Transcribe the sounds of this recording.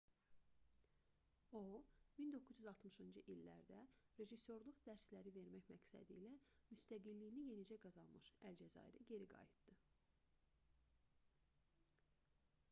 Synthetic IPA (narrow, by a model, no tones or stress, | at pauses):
omind̪o̞kʰːuzjyzɑlˠt̪mɯʃɯnd͡ʒɯʔilːæ̰ɾd̪æɾe̞ʒisːo̞ɾlˠuχd̪æɾslæɾive̞ɾmæçmæcsæ̰d̪ḭlæmyst̪æɡilːijnije̞nid͡ʒæɡɑzɑnmɯʃæld͡ʒæzɑ̰ḭɾiɟe̞ɾiɡɑ̰jit̪d̪̥ɯ